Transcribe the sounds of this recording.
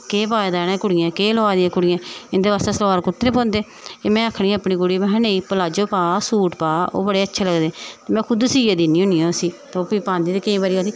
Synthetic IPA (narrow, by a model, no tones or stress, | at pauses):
keːpaːed̪aːnẽːkʊɽɪjãːkeːloaːd̪iãːkʊɽɪjãːɪnd̪eːʋaːst̪eːsəlaːɾkʊt̪ːɾeːpõːnd̪eː | eːmɛ̃ːakʰɽ̃ĩːəpɳiːkʊɽiːm̃ɦəneːiːpəlaːd͡ʒoːpaːsuːʈpaːo̰ːbəɽeːətːʃʰeːləɡd̪eːt̪eːmɛ̃ːkʰʊd̪siːaːd̪iːniːõːniːãːosiːt̪ːoːpiːpãːnd̪iːt̪eːkɪĩːbaɾiːaːsiː